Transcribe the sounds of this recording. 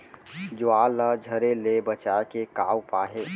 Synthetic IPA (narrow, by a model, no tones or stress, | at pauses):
d͡ʒʊaːlad͡ʒʱəɾelebət͡ʃaːkekaːwpaːɦeː